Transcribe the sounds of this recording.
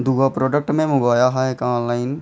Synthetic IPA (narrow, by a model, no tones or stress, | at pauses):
d̪uːɡapɾɔːɖək̚ʈmẽmʊɡaːjaɦaɛkãːnlaːɪn